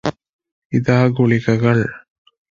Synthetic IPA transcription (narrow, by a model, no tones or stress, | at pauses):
ɪðaːɡʊɭɪɣɐɣɐɭ